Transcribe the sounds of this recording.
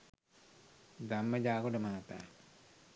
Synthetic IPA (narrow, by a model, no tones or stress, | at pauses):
d̪amːəd͡ʒaːkoʈəmaat̪a̰ː